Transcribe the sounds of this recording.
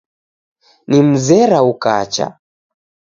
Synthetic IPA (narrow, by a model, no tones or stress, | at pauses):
nim̩zɛɾauka̰t͡ʃa̰